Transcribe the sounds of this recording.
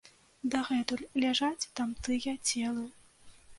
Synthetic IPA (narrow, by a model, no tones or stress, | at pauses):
d̪ɐɣɛt̪ulʲlʲaʐat͡sʲt̪amt̪ɨjɐt͡sʲɛlˠɐ